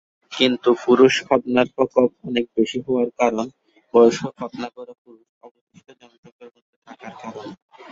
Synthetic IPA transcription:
kint̪upuɾuʃbʱɔbnaɾpɔkobɔnek̚beʃiɦooaɾkaɾon | bɔjoʃokʰɔbnaɡoɾopuɾuʃɔbobiʃʈod͡ʑɔnt̪okeɾmod̪ʱːet̪ʰakaɾkaɾon

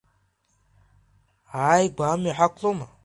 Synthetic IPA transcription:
ajɡʷamiħakʷʰloma

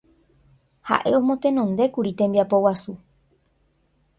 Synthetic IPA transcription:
ha̰ʔe̞õ̞mõt̪ẽ̞nõnd̪e̞kuɾit̪ẽ̞mbiapo̞wasu

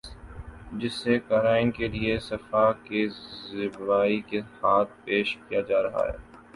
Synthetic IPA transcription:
d͡ʒɪsːekaɦɾaːɪnkeliesɐfakezɪbʋaːikehaːt̪̚ʰpeːʃkijad͡ʒaːɾɐɦa̰ɦɛ̰ː

